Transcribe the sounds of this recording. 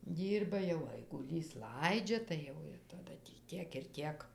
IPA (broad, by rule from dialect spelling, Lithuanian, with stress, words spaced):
ˈdʲiːrbɐ jɛʊ ɐɪɡʊˈlʲiːs ˈlˠɐɪd͡ʒʲɛ tɐɪ ˈjɛʊ ɪr tɐˈdɐ tʲiː ˈtʲiɛk ɪr ˈtʲiɛk